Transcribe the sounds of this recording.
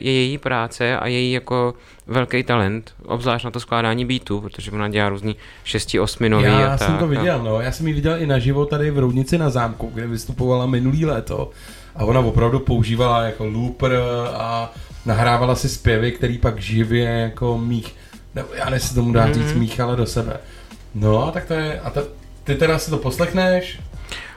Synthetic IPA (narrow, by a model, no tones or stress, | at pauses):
jɛjɛjiːpɾaːt͡sɛʔa̰jɛjiːjako̞ | vɛlkɛjt̪alɛnt̪ | ʔo̰bzlaːʃnat̪osklaːdaːɲiːbiːt̪upɾot̪oʒɛvonaɟɛlaːɾuːzɲi | ʃɛscɪo̞smɪnojviasaɛmt̪ovɪɟɛlno̞jaːsɛmjivɪɟɛlʔɪnaʒɪvo̞t̪adɪvɾowdɲɪt͡sɪnazaːmkuɡdɛvɪst̪upovalamɪnuliːlɛːt̪o̞̰ | ʔavo̞navo̞pɾavdupo̞uʒiːvalajako̞lupranaɦɾaːvalasɪspjɛvɪkt̪ɛɾiːpaɡʒɪvjɛjako̞miːx | nɛbojaːnɛsɛ̥t̪o̞mudaːriːt͡smiːxalado̞sɛbɛ̰ | no̞t̪ak̚t̪o̞jɛʔat̪ | t̪ɪt̪ɛɾasɪt̪o̞po̞slɛxnɛʃ